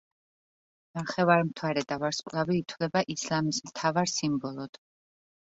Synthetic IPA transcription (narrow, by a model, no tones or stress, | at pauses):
naχɛvaɾmt̪ʰwaɾɛd̪avaɾsqʼlaviːt̪ʰwlɛbaʔislamismt̪ʰavaɾsimbɔlˠɔd̪̥